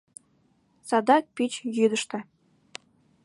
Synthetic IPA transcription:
sɑd̪ɑk̚pʲit͡ɕjyd̪ə̆ʃt̪ɤ̆

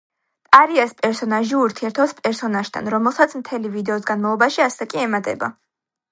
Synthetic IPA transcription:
t̪ʼaɾiaspʼɛɾsɔnaʒiuɾt̪ʰiɛɾt̪ʰɔpspʼɛɾsɔnaʃt̪ʰa̰nɾɔmɛlˠsat̪sʰmt̪ʰɛlivid̪ɛɔsɡanmalˠɔbaʃiasɛkʼiɛmat̪ʼɛ̰ba̰

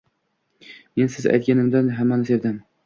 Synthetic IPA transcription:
mensɪzæ̰jt̪̚kʲanɪmd̪anɦamːanɪseɾd̪ɪm

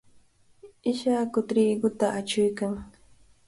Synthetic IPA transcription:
ɪʃakʊt̪ɾiːɡʊt̪aʔat͡ʃʊjkaŋ

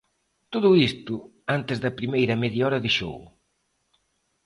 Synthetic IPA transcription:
t̪oðʊist̪ʊ | ant̪ɪzðɐpɾimejɾɐmeðjɔɾɐðeʃo̰w

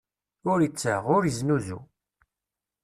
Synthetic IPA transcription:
ʊɾjit͡sːə̰ʁʊɾəznuzṵ

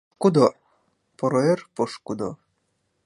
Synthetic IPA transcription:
kud̪o | poɾoerpoʃkud̪o̰

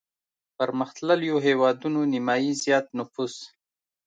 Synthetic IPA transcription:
pəɾməxt̪laljoɦewɑd̪unonɪmɑjizjɑt̪nʊfuz

